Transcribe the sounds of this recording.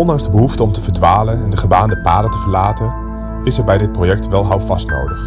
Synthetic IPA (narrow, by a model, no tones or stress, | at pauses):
ɔndɑŋzdəbəɦuftəɔmtəvəɹdʋaːlənɛndəχəbaːndəpaːdətəvəɹlaːtən | ɪsɛɹbɛjdɪt̚projɛk̚tʋɛlˠɦʌwfɑstno̰wdəχ